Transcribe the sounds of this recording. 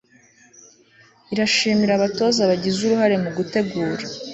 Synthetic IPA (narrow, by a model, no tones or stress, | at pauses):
iɾaʃiːmiɾaβato̞ːzaβaɟizuɾuhaɾe̞muɡute̞ɡuːɾa